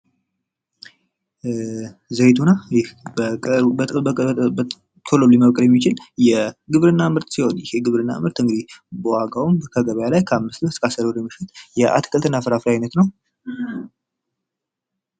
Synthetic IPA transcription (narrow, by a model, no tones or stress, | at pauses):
zəjt̪ʰunajɪhb | t̪ʰololliməβkʼljɛmːit͡ʃɪljɛɡɨβɾɨnːamɨɾt̪siho̞njɪheɡɨβɾɨnːa̰mɨɾt̪ɨŋɡɨd̪ibəwaɡawumkʰəɡəβajalajkʰəamːɨst̪ləskʼasəɾoɾjɛmːiʃɪt̪jɛʔa̰t̪kʰʼəlt̪ɨnːafɨɾafɾiajnət̪nəw